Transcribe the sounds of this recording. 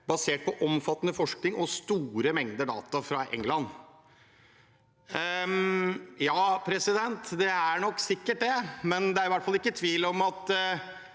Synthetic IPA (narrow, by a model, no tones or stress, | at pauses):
bɑseːʈ̚pɔʔɔmfɑt̪ːənəfɔʂknɪŋɔst̪uːɾəmɛŋd̪əɖɑ̰ːt̪ɑfɾɑʔɛ̰ŋːlɑn | jɑːpʰɾɛsɪd̪ɛnt̪d̪ɛæɳɔkːsɪkːəʈ̚d̪ɛmɛnd̪ɛæɾɪʋæʈːfɑlɪkːət̪ʰʋiːlɔmɑt̪